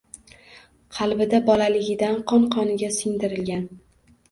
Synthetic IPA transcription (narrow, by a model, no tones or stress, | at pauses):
qʰɑlˠbɪd̪abɒlalɪɡʲɪd̪anqʰɒnqʰɒnɪɡʲasɪŋd̪ɪɾɪlɡʲan